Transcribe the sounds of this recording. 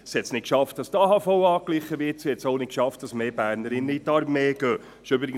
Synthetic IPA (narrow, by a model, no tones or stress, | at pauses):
shɛt̪snɪt̚kʃɑft̚d̥ɑstɑːhɑːfɔwɑːkliχːəʋɪːtsihɛtsoʊnɪt̚kʃɑft̚d̥ɑsmeːbæːɾnəɾɪnːəitɑɾmeːɡ̥øː | ʃʏbɾɪɡə